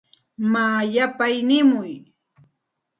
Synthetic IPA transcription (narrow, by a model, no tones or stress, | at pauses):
maːjapajnɪmʊj